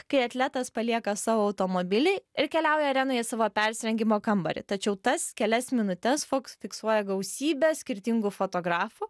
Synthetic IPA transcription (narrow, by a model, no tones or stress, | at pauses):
kɐɪɐt̪ʲlʲæt̪ɐspɐlʲiɛkɐsɑːʋoːɐʊt̪oːmoːbʲɪlʲɛɪɪɾkʲɛlʲɛʊjɛɾʲæːnoːjɛsɑːʋoːpʲɛɾʲsʲɾʲɛŋʲɡʲɪmoːkɐmbɐ̰ɾʲɪ̰t̪ɐt͡ʃʲɛʊt̪ɐskʲɛlʲɛsmʲɪnʊt̪ʲɛsfoksfʲɪksuɔjɛɡɐʊsʲiːbʲeːsʲkʲɪɾʲt̪ʲɪŋɡʊfoːt̪oːɡɾɑːfʊ